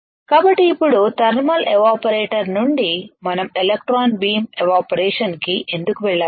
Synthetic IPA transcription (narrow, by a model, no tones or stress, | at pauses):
kaːbɐʈːiːpːuɽut̪ɐɾmɐlʔeʋaːpɐɾeːʈɐɾnuɳɖimɐnɐmelek̚ʈɾaːnbiːmeʋaːpɐɾɛːʂɐnkiʔe̞nd̪ukuʋɛɭːaː